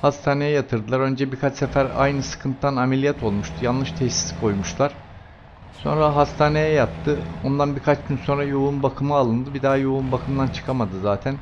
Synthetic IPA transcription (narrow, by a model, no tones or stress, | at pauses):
hast̪ʰaːne̞jɛjat̪ʰɯɾd̪ɯlˠaɾø̞nd͡ʒɛbikʰat͡ʃsefæɾa̰jnɯsɯ̥kʰɯnt̪t̪anamelʲijɛt̪ʰo̞lˠmuʃt̪ʰujanlˠɯʃt̪ʰɛsi̥si̥kʰo̞jmuʃt̪lˠaɾ̥ | so̞̰nɾaɦast̪ʰaːne̞jɛjat̪ʰːɯo̞nd̪anbikʰat͡ʃɟynso̞nɾajounbakʰɯmɯalˠɯnd̪ɯbid̪aɦajounbakʰɯmd̪ant͡ʃʰɯ̥kʰamad̪ɯzaːt̪ʰæn